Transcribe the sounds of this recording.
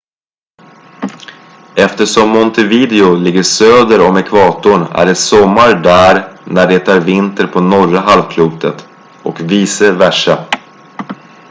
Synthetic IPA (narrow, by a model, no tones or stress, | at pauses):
ɛft̪əʂɔmːɔnt̪ɛviːd̪ɛʊlɪɡːəʂøːd̪əɾɔmɛkʰvɑːt̪ʊɳæ̰ɖɛsɔmːaɾɖæːɾnæɖɛt̪ʰɑːɾvɪnt̪əɾpʰɔnɔɾaɦalvkʰluːt̪ət̪ | ɔkviːsəvæʂa